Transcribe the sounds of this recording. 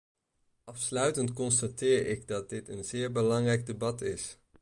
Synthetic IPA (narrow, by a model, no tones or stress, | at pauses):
ʔɑfslœɥtəntkɔnstatɪːɹɪɡdɑt̚dɪtənzɪːɹbəlɑŋrɛjɡ̚dəbɑtɪs